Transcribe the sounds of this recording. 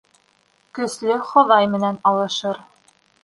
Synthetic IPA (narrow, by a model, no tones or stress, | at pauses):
kɵ̆slɵχŏðɑjmɘ̆nænɑlˠɤ̆ʃɤɾ